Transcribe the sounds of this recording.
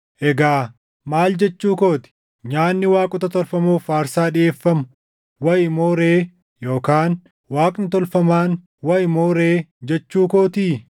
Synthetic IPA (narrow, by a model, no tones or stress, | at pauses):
ʔɛɡaː | maːld͡ʒɛt͡ʃːuːkoːt̪ɪ̥ | ɲaːnːɪwaːkʼʊt̪ɐt̪ɔlfɐmuːfaːɾsaːᶑɪʔe̞ːfːɐmʊ | wɐjɪmoːɾeː | jo̞ːkaːn | waːkʼnɪt̪ɔlfɐmaːn | wɐjmoːɾeːd͡ʒɛt͡ʃːuːkoːt̪iː